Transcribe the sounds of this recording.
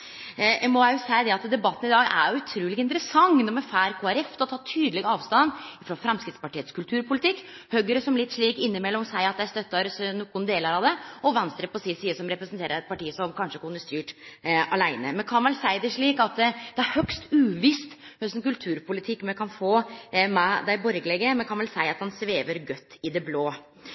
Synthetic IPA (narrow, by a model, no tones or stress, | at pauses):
ɛmɔjjʊsæɪd̪ɛɑt̪d̪ɛbɑt̪ːənɪd̪ɑːɡæ̰ɾjʊʉt̪ʰɾuːlɪɡɪnt̪əɾəsɑŋnɔmɛfæːɾkʰoːæɾɛft̪ɔt̪ʰɑːt̪ʰyːd̪əlɪɡɑːʋst̪ɑnːɪfɾoːfɾɛmskɾɪt̪spɑʈiːət̪skʉlt̪ʰʉːɾpʊlɪt̪ʰɪkː | hœɡəɾəsɔmlɪt̪ːʂɭiːkɪnːɪmɛlːɔmsæɪɑt̪̚d̪ɛæɾst̪œt̪ːɑɾsnukːʊːnd̪eːləɾɑd̪ɛɔʋɛnst̪ɾəpʰɔsɪsiːəsɔmɾɛpɾəsnt̪eːɾəɾɛt̪̚pɑʈiːəsɔmkʰɑnʂəkʰʊnːəst̪yːʈʔɑlæɪnəmɛnkʰɑnʋɛlsæɪd̪ɛʂɭiːkɑt̪d̪̥ɛæɾhœkst̪ʉːʋɪst̪hœsənkʉlt̪ʰʉːɾpʊlɪt̪ʰɪkːmɛkʰɑnfoːmɛd̪æɪbɔɾɡəlɛɡəmɛnkʰɑnʋɛlsæɪɑt̪hɑnsʋeːʋəɾɡœt̪ːɪd̪ɛbloː